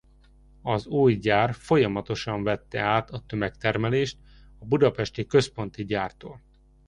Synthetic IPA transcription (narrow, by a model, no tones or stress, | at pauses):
ɒzuːjɟaːrfo̞jɒmɒt̪o̞ʃɒɱvɛt̪ːɛaːt̪ɒt̪ømɛkt̪ɛrmɛleːʃt̪ | ɒbud̪ɒpɛʃt̪ikø̞spo̞nt̪iɟaːrt̪oːl